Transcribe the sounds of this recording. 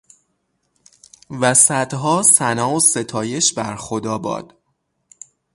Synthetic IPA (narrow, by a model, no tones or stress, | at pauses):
væsæd̪̥ɦɒːsænɒːose̞t̪ʰɒːje̞ʃbæɾxod̪ɒːbɒ̰ːd̪̥